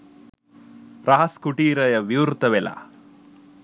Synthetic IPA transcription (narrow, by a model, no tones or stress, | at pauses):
ɾaɦɐskuʈiːɾɐjɐʋiwɾt̪ɐʋela̰